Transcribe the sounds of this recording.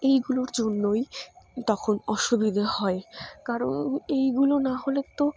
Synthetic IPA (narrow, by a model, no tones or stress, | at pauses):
ejɡuloɾd͡ʑonːojt̪ɔkʰonɔʃubid̪ʱahɔekaɾonejɡulonaɦolet̪o